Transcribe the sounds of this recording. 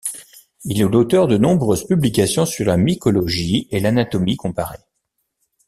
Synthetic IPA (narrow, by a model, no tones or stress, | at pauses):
ilɛlot̪œʁd̪ənɔ̃bʁøzpyblikasjɔ̃syʁlamikɔlɔʒielanat̪ɔmikɔ̃paʁḛ